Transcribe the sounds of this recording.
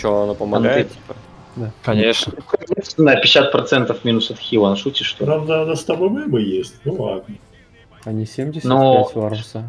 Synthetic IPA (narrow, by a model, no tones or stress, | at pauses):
t͡ɕoɐnopəmɐnɡaɨtt̪ʲipə | d̪akɐnʲeʂnəkʲet̪nʲɪznajʊpʲɪsʲat̪̚pɾɐt̪sɛnt̪əfmʲinʊsɐt̪xʲilˠɐnʂutʲɪʂt̪onamd̪anɐst̪ɐbomɛbɨjesʲtʲnʊlˠad̪̚nə | ɐnʲisʲemʲdʲɪsʲnovɐɾsa